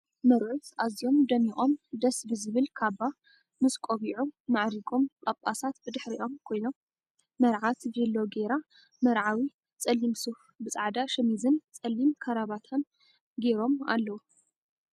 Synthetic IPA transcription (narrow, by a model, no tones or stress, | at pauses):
mɐɾʕut̪ʔazijo̞md̪ɐmiχʼo̞md̪ɐsbɨzɨβɨlkʰaβa | mɨskʼoβiʕuːaʕɾikʼomkʼɐpʼasat̪bɨd̪ɨħɾiʔo̞mkʰo̞jnomː | ɐɾʕat̪zɐlːoɡeɾa | mɐɾʕawi | t͡sʼɐlːimsuf | bɨt͡sʼaʕd̪aʃɐmizɨnt͡sʼɐlːimkʰɐɾaβat̪ʰɐn | ɡeɾo̞ma̰lːɐwu